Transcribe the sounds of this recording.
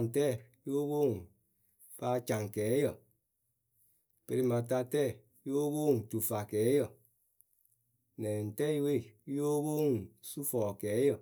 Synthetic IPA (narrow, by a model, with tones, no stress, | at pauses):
n̩˨tɛ˦˨ | jo˦wo˦˨ŋ˨ | fa˧˦t͡ʃã˨ŋ˨kɛː˨˦jə˨ | pe˧ɾi˧mã˨t̬a˧tɛ˦˨ | jo˦bo˦˨ŋ˨tu˨fa˨kɛː˨˦jə˨ | nɛ̃˨n̩˨tɛ˦i˦we˦˨˦jo˦wo˦˨ŋ˨su˦fɔː˨kɛː˨˦jə˨